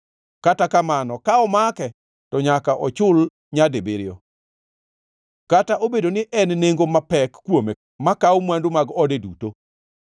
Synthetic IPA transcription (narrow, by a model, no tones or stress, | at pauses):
katakamanɔkaɔmakɛ | tɔɲakaʔɔt͡ʃʊl | ɲadebɪɾɪɔ | kataʔobedonɪʔɛnneŋɡomapɛkːwome | makaomwandomaɡɔdeduto